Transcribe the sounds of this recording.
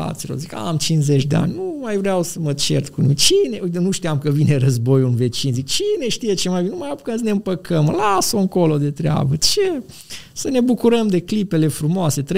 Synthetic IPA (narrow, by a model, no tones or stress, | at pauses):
a̰t̪silo̰zika̰amt͡ʃinzet͡ʃʲd̪e̞a̰nʲnumajvɾeawsəmət͡ʃḛrt̪kunumit͡ʃine̞ʔujt̪ənuʃt̪ijamkəvine̞rəzbo̞julve̞t͡ʃinzikt͡ʃine̞ʃt̪ije̞t͡ʃemajbinenumajapukəms̬əneɨmpəkʰəmlasoɨŋko̞lo̞d̪e̞t̪ɾea̰bət͡ʃe | səne̞bukuɾəmd̪e̞klipe̞le̞fɾumoase̞t̪ɾ